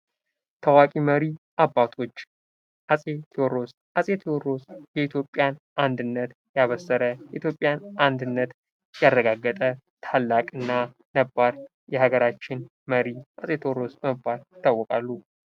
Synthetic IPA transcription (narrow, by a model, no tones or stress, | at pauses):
t̪ʰəwakʼiməɾiʔabːat̪ʰo̞t͡ʃː | ʔasʼe̞t̪ʰioɾo̞s | ʔasʼe̞t̪ʰoɾo̞sjɛit̪ʰjo̞pʼːjanʔand̪ɨnːət̪ | jaβəsːəɾəjɛʔit̪jo̞pʼːjanʔand̪ɨnːət̪ | jarːəɡaɡːət̪ʼə | t̪ʰalːakʼɨnːa | nəbːaɾ | jɛɦaɡəɾat͡ʃːɪn | məɾiʔasʼe̞t̪ʰoɾo̞sbəməbːaljɪt̪ʰːawːɔkʼalːu